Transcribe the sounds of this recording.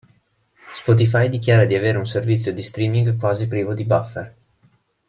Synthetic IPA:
spɔt̪̬ifajd̪ikjaːɾad̪iaveːɾeunservit̪sːjod̪ist̪ɾiːmiŋɡkwaːzipɾiːvod̪ibafːer

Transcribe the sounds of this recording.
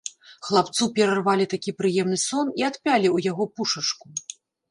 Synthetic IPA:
xlˠapt̪supʲɛɾarvalʲit̪akʲipɾɨjɛmnɨsɔniat̪pʲalʲiwjaɣɔpuʂɐt͡ʂku

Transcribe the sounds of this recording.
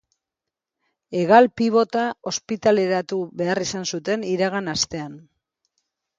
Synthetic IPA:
e̞ɣalpiβ̞o̞t̪ao̞spit̪ale̞ɾat̪uβe̞arisansut̪e̞niɾaɣanast̪e̞an

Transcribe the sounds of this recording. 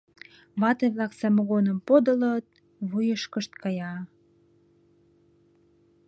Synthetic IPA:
βɑt̪eβlɑksæmoɣonə̆mpod̪ə̆lət̪̚ | βujəʃkəʃt̪̚kɑjɑ

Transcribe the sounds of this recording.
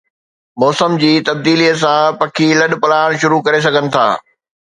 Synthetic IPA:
mɔːsəmd͡ʑiːt̪ɐb̚d̪iːliːəs̬ãpɐkʰilɐɗpɐlaːɽ̃ʃʊɾukɐɾes̬ɐɡʱənɪ̆t̪ʰa̰ː

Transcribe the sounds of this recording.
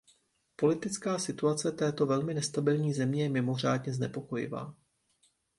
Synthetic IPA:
po̞lɪt̪ɪt͡skaːsɪt̪uat͡sɛt̪ɛːt̪o̞vɛlmɪnɛst̪abɪlɲiːzɛmɲɛjɛmɪmo̞r̝aːdɲɛznɛpo̞ko̞jɪ̰va̰ː

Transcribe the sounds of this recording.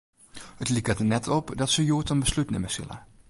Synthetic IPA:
hətlikətənɛtʰɔpdɔtsəjuətənbəslytnɪməsɪ̰lˠə̰

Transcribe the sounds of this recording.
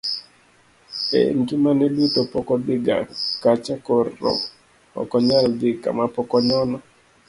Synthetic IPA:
ḛnkimanedutopɔkɔdɪɡa̰kat͡ʃakɔrːɔ̰ | ɔ̰kɔɲaldɪka̰mapɔkɔɲɔnɔ

